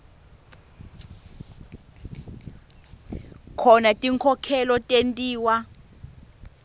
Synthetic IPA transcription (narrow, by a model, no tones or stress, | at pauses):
kʰɔnatʼiŋkʰɔkʰɛlɔtʼentʼiːwa